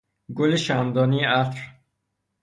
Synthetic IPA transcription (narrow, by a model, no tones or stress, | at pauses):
ɡoleʃænd̪ɒːniæt̪ɾ